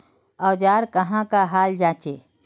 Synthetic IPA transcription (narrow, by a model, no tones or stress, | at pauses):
ɔːd͡ʒaːɾkəɦãkaɦaːld͡ʒaːt͡ʃeː